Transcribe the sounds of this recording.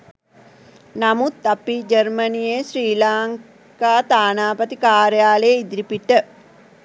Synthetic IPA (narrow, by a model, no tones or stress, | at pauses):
namut̪apid͡ʒərmənijesriːlaːŋ | kaːt̪aːnaːpət̪ikaːɾəjaːleid̪ɾipiʈə